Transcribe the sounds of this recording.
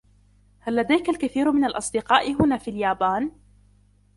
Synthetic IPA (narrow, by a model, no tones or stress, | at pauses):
halːad̪ajkalkaθiːɾmɪnalʔɑsˤd̪ɪqɑːʔɪɦʊnaːfiːljaːbaːn